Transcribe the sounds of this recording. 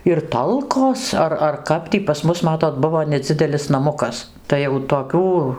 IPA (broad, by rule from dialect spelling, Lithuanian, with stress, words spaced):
ɪr ˈtɐlˠkoːs ˈɐr ɐr ˈkɐp tʲiː pɐs ˈmʊs mɐˈtoːt ˈbʊʋoː nʲɛˈd͡zʲɪdʲɛlʲɪs nɐˈmʊkɐs ˈtɐɪ jɛʊ toːˈkʲuː